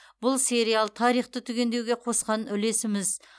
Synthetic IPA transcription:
bʊlˠse̞ɾijalˠt̪ʰɑɾijχt̪ət̪ʰʏɡʲe̞nd̪e̞wɡʲe̞qʰo̞sqɑnʏle̞sɪmɪz

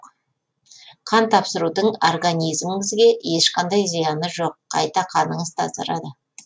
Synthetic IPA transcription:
qʰɑnt̪ʰɑpsəɾud̪əɴorɡanʲijzmɪŋɪzɡʲe̞jeʃqɑnd̪ɑjzijɑnəʒo̞qʰːɑ̰jt̪ɑqʰɑnəɴəzt̪ʰɑ̰zɑ̰ɾɑd̪ə

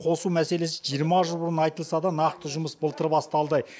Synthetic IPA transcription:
qʰo̞sumæse̞le̞sɪʒijəɾmɑʒəlˠbʊɾənɑjt̪əlˠsɑd̪ɑnɑqt̪əʒʊməsbəlt̪əɾbɑst̪əɑlˠd̪ɑj

